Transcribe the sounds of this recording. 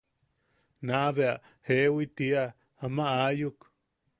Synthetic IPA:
naβeaʔ | hewit̪ia | amaajuk

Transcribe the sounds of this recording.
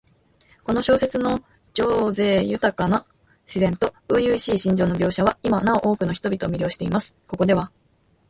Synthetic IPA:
ko̞no̞ɕo̞ːse̞t͡sɨno̞ | d͡ʑo̞ːze̞ːjɯ̟t̪akano | ɕizẽ̞nt̪o̞ɯ̟jɯ̟ːɕiːɕĩɲd͡ʑo̞ːno̞bʲo̞ːɕaβaimanao̞ʔo̞ːkɯ̟no̞çi̥t̪o̞bʲit̪o̞ːmʲiɾʲo̞ːɕi̥t̪e̞imasɨ̥ko̞ko̞d̪e̞βa

